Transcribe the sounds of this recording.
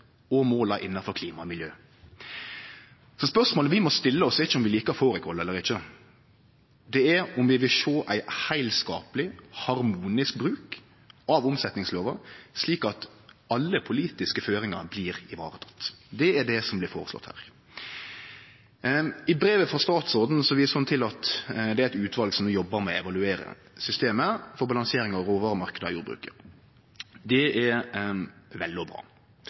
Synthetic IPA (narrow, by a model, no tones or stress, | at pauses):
ɔmoːlɑɾʔɪnːɑfɔɾkʰliːmɑmɪljøː | sɔspœʂmoːləʋɪmɔst̪ɪlːəɔsd̪ɛɪçəʊmʋɪliːkəɾfoːɾɪkʰɔlːɛlːəɾɪçə | d̪ɛæɾɔmʋɪʋɪlʃoːʔæɪhæɪlskɑ̰ːpəlɪhɑɾmuːnɪsk̚bɾʉːk | ɑʋʊmsɛt̪nɪŋsloːʋɑsliːkɑt̪ɑlːəpʰʊliːt̪ɪskəføːɾɪŋɑ̰ɾbliːɾɪʋɑ̰ːɾət̪ʰɑ̥t̪ːd̪ɛæɖɛsɔmblɪɾfoːɾəslɔ̰t̪hæ̰ːɾ | ɪbɾeːʋəfɔʁst̪ɑːt̪sɔɾd̪n̩sɔʋiːsəɑnt̪ʰɪlɑt̪d̪ɛæɾɪt̪ʉːt̪ʰʋɑlɡsɔmːjɔbːəɾmɛɛʋɑlʉeːɾə̰ | sʏst̪eːməfɔɾbɑlɑŋseːɾɪŋɑʋɾoːʋɑːɾəmɑɾkəd̪əɑ̰juːd̪bɾʉ̰ːkə | d̪ɛɛɾ | ʋɛlːɔbɾɑ̰ː